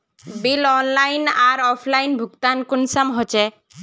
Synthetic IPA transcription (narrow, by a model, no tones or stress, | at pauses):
bilɔnlajnaɾɔpʰlajnbʱuɡt̪ankunsamɦɔt͡ʃe